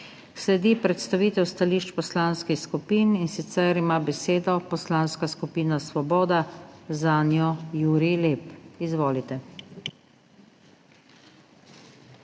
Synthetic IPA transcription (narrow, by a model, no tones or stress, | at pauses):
slɛd̪ipɾɛt̪st̪aʋiːt̪ɛwst̪aliːʃt͡ʃpɔslaːnskixskupiːninsit̪sɛɾimaːbɛseːd̪ɔpɔslaːnskaskupiːnasʋɔbɔːd̪azanjɔjuːɾileːpizʋoːlit̪ɛ